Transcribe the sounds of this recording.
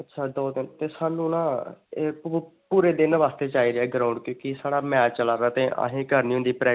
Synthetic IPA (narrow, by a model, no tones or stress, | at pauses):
ətːʃʰaːd̪ɔːd̪ɪnt̪eːsaːnũːnãːeːpuːɾeːd̪ɪnʋaːst̪eːt͡ʃaːiːɾeɛːɡɾaːʊ̃ɳɖkjõːkɪsaːɽaːmɛːt͡ʃt͡ʃəlaːɾaːt̪ẽːʔa̰ːɦẽːkəɾniːɦʊ̃nd̪iːpɾɛː